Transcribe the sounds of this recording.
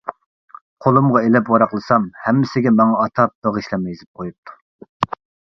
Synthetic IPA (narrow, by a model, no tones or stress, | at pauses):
qʰolˠumʁɑelɛpwɑɾɑqlˠɨsɑmhɛmːɪsɪɡʲɛmɑŋɑːt̪ʰɑp̚d̪̥oʁiʃlɛmjizɪp̚qʰojup̚t̪ʰu̥